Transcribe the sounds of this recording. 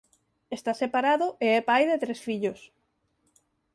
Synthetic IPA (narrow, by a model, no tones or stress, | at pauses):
est̪asepaɾaðʊʔeɛpajðet̪ɾesfiʎos